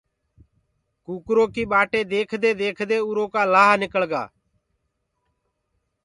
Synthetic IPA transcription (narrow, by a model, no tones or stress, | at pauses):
kuːkɾoːkiːɓaːʈeːd̪eːkʰd̪eːd̪eːkʰd̪eːʊɾoːkaːlaːɦnɪkəɭɡa̰ː